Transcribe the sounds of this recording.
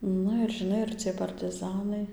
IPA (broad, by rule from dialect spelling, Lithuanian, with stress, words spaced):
ˈnʊ ɪr ʒʲɪˈnɐɪ ɪr ˈt͡sʲiɛj pɐrtɨˈzɑːnɐɪ